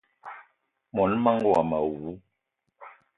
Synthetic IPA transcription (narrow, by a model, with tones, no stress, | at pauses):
mɔ˨˦nma˦ŋɡwa˨ma˨wu˨˦